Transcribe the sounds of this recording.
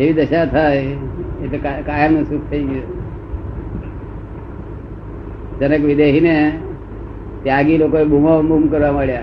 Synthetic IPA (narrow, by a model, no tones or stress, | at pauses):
eʋiːd̪əɕat̪ʰajet̪ekakajəmnusuk̚t̪ʰəiɡe | d͡ʒənəkʋid̪eɦine | t̪eaɡilokoebʱumamʱumkəɾʋaməɭja